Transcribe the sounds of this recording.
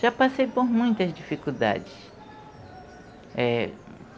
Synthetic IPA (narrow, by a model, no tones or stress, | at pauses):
ʒ̥apasejpoɾmũj̃t̪ɐzd͡ʒifikuwd̪a̰d͡ʒɪs | ɛ